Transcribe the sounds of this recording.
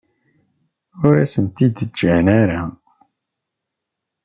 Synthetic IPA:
ʊɾæsənt̪id̪d͡ʒənæɾa

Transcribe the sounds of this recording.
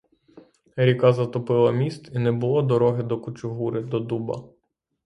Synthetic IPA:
ɾʲikazɐt̪ɔpɪlˠɐmʲist̪inɛbʊlˠɔd̪ɔɾɔɦɪd̪ɔkʊt͡ʃʊɦuɾɪd̪ɔd̪ubɐ̰

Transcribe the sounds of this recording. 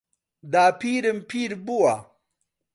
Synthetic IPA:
d̪aːpiːɾɐmpʰiːɾbuwa

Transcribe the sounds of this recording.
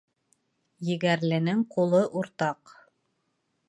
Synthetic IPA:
jɘ̆ɡæɾlɘ̆nɘŋqulˠɤʔuɾt̪ɑq

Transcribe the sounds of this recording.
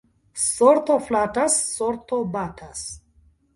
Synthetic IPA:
soɾt̪oflatasːoɾt̪obatʰas

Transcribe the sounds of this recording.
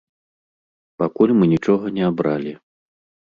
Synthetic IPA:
pakulʲmɨnʲit͡ʂɔɣɐnʲɛabɾalʲi

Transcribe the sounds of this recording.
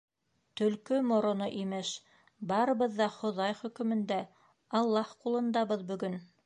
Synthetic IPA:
t̪ɵ̆lkɵmŏɾŏnoʔimɘʃ | bɑɾɤ̆βɤ̆ðːɑχŏðɑjχɵ̆kɵ̆mɘ̆nd̪æ | ɑlˠːɑhqulˠɤ̆nd̪ɑβɤðbɵ̆ɡɵn

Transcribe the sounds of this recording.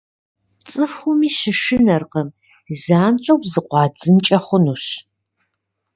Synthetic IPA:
t͡sʼɨxʊmiːʃɨʂɨnɐrqəm | zaːnt͡ʃʷʼɐwpzɨqʷɑːd͡zɨnt͡ʃʼɐχʷʊnuɕ

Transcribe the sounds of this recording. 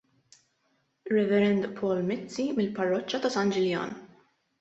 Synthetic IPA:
ɾɛvɛɾɛnd̪pʰɔːlmɪt͡sːimɪlpɐrːɔt͡ʃːɐt̪ɐsɐnd͡ʒɪljɐ̰ːn

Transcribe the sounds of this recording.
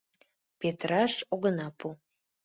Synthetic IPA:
pʲet̪rɑʃoɡənɑpʰu

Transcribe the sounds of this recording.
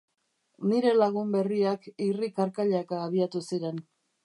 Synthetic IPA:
niɾe̞laɣumbe̞riakirikaɾkaʎakaːβiat̪usiɾe̞n

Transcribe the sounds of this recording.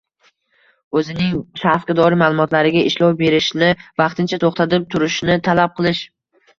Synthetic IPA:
ɵzɪnɪŋʃafqɨd̪ɒɾɪmaːlˠʊmɒt̪laɾɪɡʲaɪʃlɒwbe̞ɾɪʃnɪvɑqt̪ʰɪnt͡ʃʰat̪ʰoχt̪ʰat̪ɪp̚t̪ʰʊɾɪʃnɪt̪ʰalap̚qʰɨlˠɪʃ

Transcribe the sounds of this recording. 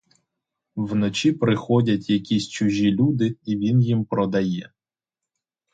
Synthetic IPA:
wnɔt͡ʃʲipɾɪxɔdʲɐtʲjɐkʲisʲt͡ʃʊʒʲilʲud̪ɪiʋʲinjimpɾɔd̪ɐjɛ

